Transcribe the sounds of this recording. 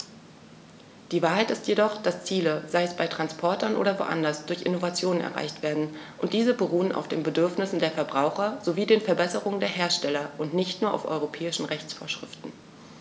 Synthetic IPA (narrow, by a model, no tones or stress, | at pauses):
d̥iːvaːɐɦaɪtɪstjedɔχd̥ast͡siːləzaɪɛsb̥aɪtʁ̥anspʰɔɐtʰɐnʔo̰ːɾɐvo̰ːʔa̰ndɐsd̥ʊɐçʔɪ̰novat͡sjoːnənɛ̰ɐʁa̰ɪçtv̥eːɐdn̩ | ʔʊntd̥iːzəbəʁuːəna̰ʊfd̥eːnbədʏɐfnɪsn̩deːɐfɛɐbʁaʊxɐz̥oviːdeːnfɛɐbɛsəʁʊŋəndeːɐɦeːɐʃtɛlɐʔʊntnɪçtnuːɐʔa̰ʊfʔɔ̰ʏʁopʰɛːɪʃn̩ʁɛçt͡sfoːɐʃʁ̥ɪ̰ftn̩